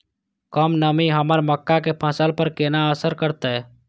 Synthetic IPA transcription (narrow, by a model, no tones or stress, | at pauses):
kəmnəmiɦəməɾməkːakepʰə̃səlpəɾkenaəsəɾkəɾt̪e